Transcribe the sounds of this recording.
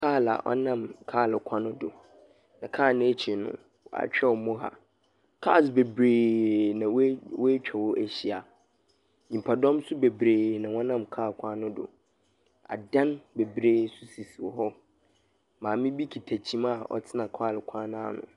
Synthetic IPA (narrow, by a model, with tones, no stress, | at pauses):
kʰaː˦˨la̰˨ʔɔ̰˦nã˦˨mkʰaː˦˨lɪ˨kʷʰã˦nʊ̃˦dʊ˨ | nã˨kʰaː˦˨nʊ̃˦e˦t͡ɕʰi˨nʊ̰̃˦ | wa̰˨t͡ɕᶣɛ˦wɔ˨mɔ̃˦ɦa̰˨ | kʰa˦˨s̬be˨bɾeː˨nã˨wwo˦t͡ɕᶣʰɛ˨wɔ˦ʔæ˦ɕi˦a˨ | ɲĩ˨m˨pʰa˨dɔ̃˦msʊ˦be˨bɾeː˨nã˨wɔ̃˦nã˦˨mkʰaː˦˨kʷʰã˦nʊ̃˦dʊ̰˨ | a̰˨dã˦nbe˨bɾeː˦su˦si˨si˨wɔ˨ɦɔ˦ | mãː˨mɪ̃˦bi˦kʰi˨tʰæ˨t͡ɕʰĩ˦ma˦˨ɔ̰˨tʰɪ˦nã˨kʰaː˦˨lɪ˨kʷʰã˦nʊ̃˦a˦˨nʊ̰̃˨